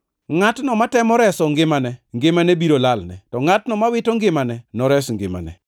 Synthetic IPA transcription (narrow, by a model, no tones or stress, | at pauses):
ŋatnɔmatɛmɔɾɛsɔŋɡɪmanɛŋɡɪmanɛbiɾolalnɛ̰tɔŋatnɔmawɪtɔŋɡɪmanɛnɔɾɛsŋɡɪ̰ma̰nɛ̰